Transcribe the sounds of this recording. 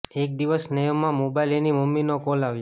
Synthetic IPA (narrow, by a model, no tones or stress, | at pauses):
ek̚d̪iʋəsnəjəmːãmobailenimumːinokolaʋje